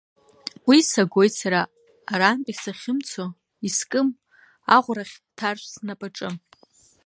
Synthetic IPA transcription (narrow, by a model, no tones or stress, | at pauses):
wisaɡʷo̞jtsaɾaː | ɾaːmpʼisaχʲɪmt͡sʰo | iskʼɨm | aʁʷraχʲ | tʰarʃʷsnapʼaʈ͡ʂʼɨm